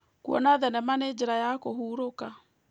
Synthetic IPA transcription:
kuɔ̰naðɛnɛmaned͡ʑeɾajakohuːɾoka

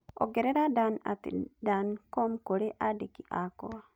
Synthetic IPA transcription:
ɔ̰ɡɛɾɛɾadana̰tḭdankɔmkoɾeʔadekiʔakɔa

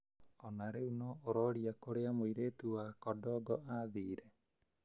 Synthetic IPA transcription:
ɔnaɾeunɔoɾɔɾiakoɾeamojɾet̪uakɔdɔɡɔʔad̪iːɾe

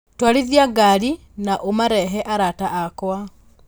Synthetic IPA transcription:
twaliðjaɡaɾi | naʔomaɾɛɦɛʔaɾataʔakwa

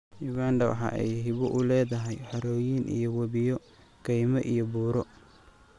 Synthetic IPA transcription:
juɡaːnd̪ɐwɑ̰ħɑ̰ːʔɛ̰jɦɪβɔʔʊlɛːðɐɦɛjħɐɾɔːjiːnʔḭjɔwɐβɪjɔ | kɛjmɐʔijɔbuːɾɔ

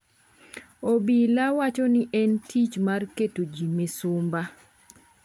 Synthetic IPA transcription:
obilawat͡ʃɔnɪʔɛntʰit͡ʃmarketod͡ʒimesʊmba

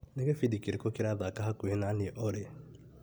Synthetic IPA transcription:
neɡefidikiɾekokiɾaðakaɦakuenaniʔɔɾe

